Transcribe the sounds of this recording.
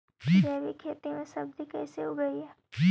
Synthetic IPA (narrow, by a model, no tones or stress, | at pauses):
d͡ʒid͡ʒɛːʋikʰeːt̪imẽsɐbd̪ʱikɛ̰ːseɦoɡɐiɦɛː | i